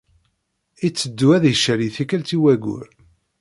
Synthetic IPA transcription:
it͡sːəd̪ːuæðjəʃːəɾiθikælt̪iwæɡʊ̰ɾ

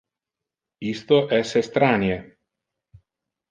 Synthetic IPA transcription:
ist̪oʔɛsest̪ɾaːnje

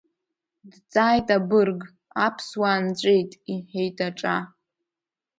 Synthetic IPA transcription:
dt͡sʼaːjtʼabɨrɡ | apʰswaːnt͡ɕʷʼejtʼiħejtʰʼaʈ͡ʂʼa

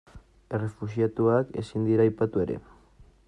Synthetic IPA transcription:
ere̞fuʃiat̪uake̞sind̪iɾaːjpat̪ue̞ɾe̞̰

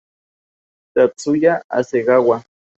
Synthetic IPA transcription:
t̪at͡sujaa̰seɣawa

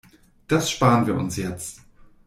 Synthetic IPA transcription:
d̥asʃpaːʁənviːɐʔʊ̰nsjɛt͡st

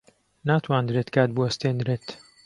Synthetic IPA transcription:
naːt̪ʰwaːnd̪ɾeːt̪kʰaːt̪̚buɐst̪eːnd̪ɾeːt̪

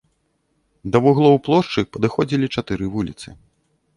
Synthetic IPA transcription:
d̪ɐvuɣlˠɔwplˠɔʂt͡ʂɨpɐd̪ɨxɔd͡zʲilʲit͡ʂat̪ɨɾɨvulʲit̪sɨ

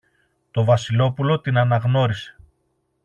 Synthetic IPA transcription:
t̪o̞vɐsilo̞pulo̞t̪inɐnɐɣno̞ɾise̞̥

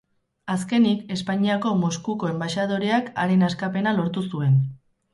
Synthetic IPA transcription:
aske̞nike̞spaɲiako̞mo̞skuko̞e̞mbaʃað̞o̞ɾeaka̰ɾe̞naskape̞nalo̞ɾt̪usue̞n

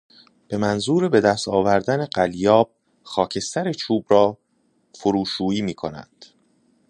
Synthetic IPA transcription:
b̥e̞mænzuːɾebe̞d̪æst̪ɒːvæɾd̪æne̞ɢæljɒːb̥̚ | xɒːcʰe̞st̪æɾet͡ʃʰuːbɾɒː | foɾuːʃuːiːmiːkʰo̞̰næ̰nd̪̥

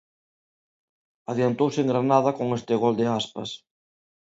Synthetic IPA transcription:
aðjant̪owsɪeŋɡɾanaðɐkoŋest̪ɪɣɔld̪ɪaspɐ̰s

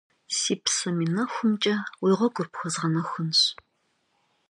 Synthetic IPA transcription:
siːpsɐmiːnɐxʷʊmt͡ʃʼɐwijʁʷɔɡʷʼʊrpxʷɔzʁɐnɐxʷʊnɕ

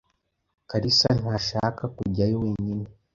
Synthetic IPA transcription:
kaɾisan̥haːʃakakuɟajoweɲine

